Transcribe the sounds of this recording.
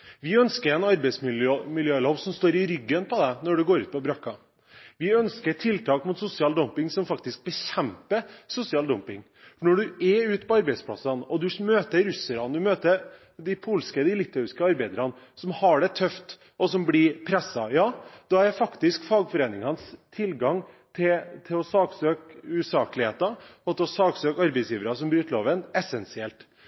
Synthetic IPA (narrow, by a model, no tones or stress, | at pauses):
ʋɪœnskəɾɛnɑɾbɛɪsmɪløːmɪljøːloːʋsɔmst̪oːɾɪɾʏɡːənpɔd̪ɛnɔɖʉɡoːɾʉ̰ːt̪̚pʰɔbɾɑkːɑ | ʋɪœnskəʈʰɪlt̪ʰɑːkmʊt̪sʊsɪɑːld̪ɔmpɪŋsɔmfɑkt̪ɪsk̚bəçɛmpəsʊsɪɑːld̪ɔmpɪŋ | nɔɖʉɛʉːt̪pʰɔɑɾbɛɪspʰlɑ̰sɑnɔd̪ʉmøːt̪əɾʉsəɾɑnd̪ʉmøːt̪əɾ | d̪ɪpʰuːlskəd̪ɪlɪt̪ɑʉɪskəɑɾbæɪd̪əɾɑn | sɔmhɑɖɛt̪ʰœft̪ | ɔsɔmblɪpʰɾɛsːɑjɑːd̪̥ɑæɾfɑkt̪ɪskfɑːɡfɔɾeːnɪŋɑnst̪ʰɪlɡɑŋ | t̪ʰɪt̪ʰɪɔsɑːksøːkʉsɑːklɪheːt̪ɑɔt̪ʰɛɔsɑːɡsøːkɑɾbɛɪsjiːʋəɾɑsɔmbɾyːt̪loːʋənɛsɛnsɪɛlt̪